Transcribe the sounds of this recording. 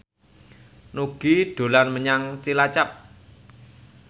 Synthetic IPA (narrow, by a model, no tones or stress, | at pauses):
nuɡ̥iɖ̪̥o̤lanməɲaŋt͡ʃilat͡ʃap̚